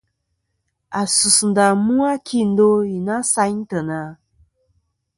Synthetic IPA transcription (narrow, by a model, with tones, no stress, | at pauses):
a˨su˨sn̩˨da˨mu˦a˦kʰi˦n̩˦do˦i˨na˦sa˦ɲ˦tə˨na˨